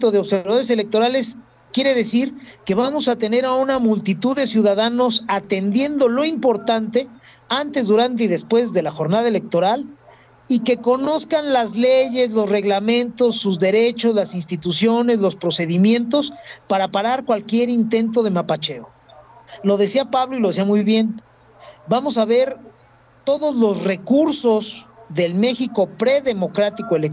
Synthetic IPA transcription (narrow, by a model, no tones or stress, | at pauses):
t̪oðeo̞βseβaðo̞ɾe̞selek̚t̪o̞ɾale̞s | kje̞ɾe̞ðe̞siɾke̞βamo̞sat̪e̞ne̞ɾaunamult̪it̪uððesjuðaðano̞sat̪e̞nd̪je̞nd̪o̞lo̞impo̞ɾt̪ant̪e̞ | ant̪e̞zðuɾant̪̬e̞iðe̞spwe̞zðe̞laxo̞ɾnað̞ae̞le̞k̚t̪o̞ɾal | ike̞ko̞no̞skanlazleʝe̞zlo̞sre̞ɣlamẽ̞nt̪o̞sːuzðe̞ɾe̞t͡ʃo̞zlasinst̪it̪usjo̞ne̞zlo̞spɾo̞se̞ðimjẽ̞nt̪o̞spaɾapaɾaɾkwalkje̞ɾint̪e̞nt̪̬o̞ð̞e̞mapat͡ʃe̞o | lo̞ð̞e̞siapaβlo̞ilo̞ðsiamujβje̞n | bamo̞saβe̞ɾ | t̪o̞ðozlo̞zre̞kuɾso̞zðe̞lme̞xiko̞pɾe̞ðe̞mo̞kɾat̪ikoelek